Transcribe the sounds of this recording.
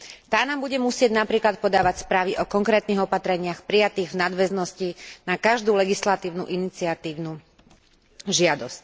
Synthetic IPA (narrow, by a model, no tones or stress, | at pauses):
t̪aːnaːmbuɟɛmusɪɛɟnapɾiːklat̪̚pɔd̪aːʋacspɾaːʋiʔɔkɔŋkɾɛːt̪niɣɔpat̪ɾɛɲɪaxpɾijat̪iːɣvnad̪ʋɛznɔscinakaʒd̪uːlɛɡislat̪iːʊnuʔinit͡siat̪iːʊnu | ʒɪad̪ɔsc̚